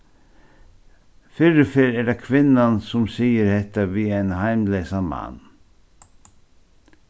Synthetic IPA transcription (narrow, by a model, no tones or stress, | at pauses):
fʏɾəfɪɾɛɖakʰʋɪnːansʊmsiːəɾhɛt̪aʋiːɛɪnhaɪmleːsamɑ̰nː